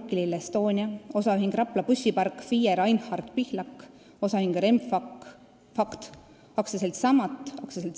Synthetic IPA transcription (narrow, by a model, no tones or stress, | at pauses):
kːililest̪o̞ːnʲiɑo̞sɑyɦiŋɡ̥rɑplɑpusʲːipɑrkfiːeɾɑjnhɑrd̪̥pihlɑkː | o̞sɑhiŋɡ̥rem | fɑkt̪ | ɑksɑselt̪sɑmɑt̪ːˑɑkseselt̪